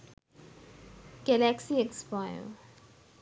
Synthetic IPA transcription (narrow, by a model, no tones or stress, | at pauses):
ɡ̥ɛlæksiekspaɪə̰l